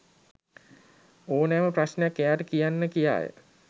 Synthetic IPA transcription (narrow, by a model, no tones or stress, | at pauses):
oːnæːməprasnejakːejaːʈəkijanːəkija̰ːjə̰